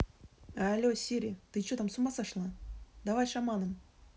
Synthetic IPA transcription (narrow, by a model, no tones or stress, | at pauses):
alʲosʲiɾʲit̪ɨt͡ɕot̪amsumasaʂlˠad̪avajʂamɑnɨm